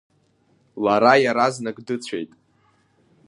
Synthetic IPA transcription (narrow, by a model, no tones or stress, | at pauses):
laɾajaɾaznaɡdɨt͡sʷʰe̞̰jtʼ